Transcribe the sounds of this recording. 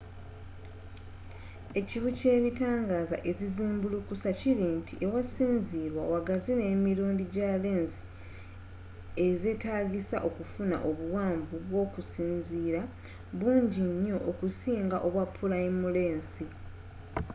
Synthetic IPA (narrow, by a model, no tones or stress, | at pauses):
e̞ciβuce̞ːβitaːŋɡaza̰ʔe̞ziziːmbulukusaciɾintʰiʔewasiːnziːɾwawaɡazine̞ːmiɾuːndiɟale̞ːnsi̥ | e̞ze̞taːɡisa̰ʔo̞kufuna̰ʔo̞βuwaːɱvuβwo̞ːkusiːnziːɾa | βuːɲɟiɲːo̞ʔokusiːŋɡaʔo̞βwapʰːulaimule̞ːnsi